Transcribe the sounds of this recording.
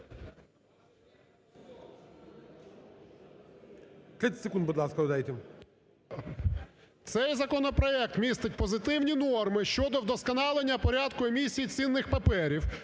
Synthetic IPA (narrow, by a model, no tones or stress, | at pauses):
t̪ɾɪt̪ʲɪ̥t̪ʲsɪkund̪bʊd̪lˠɑskɐd̪ajet̪ʲɛ | t̪sɛjzɐkɔnɔpɾɔɛk̚t̪mʲist̪ɪtʲpɔzɪt̪ɪwnʲinɔrmɪʃt͡ʃɔd̪ɔwd̪ɔskɐnɑlˠenʲːɐpɔɾʲɑd̪kʊemʲisʲijit͡sʲinːɪxpɐpɛɾʲiw